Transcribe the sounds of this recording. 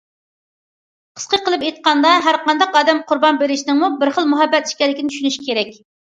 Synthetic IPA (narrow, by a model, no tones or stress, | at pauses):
qʰə̥sqəqʰəlˠɨpjet̪̚qɑnd̪ɑɦæɾqɑnd̪ɑqɑːd̪ɛmqʰʊɾbɑnbeɾɪʃinɪŋmubɪɾχəlˠmuɦɛbːɛt̪i̥ʃkʲɛlːɪkʲnɪt̪ʰyʃynyʃi̥kʲʰeɾɛk̚ʲ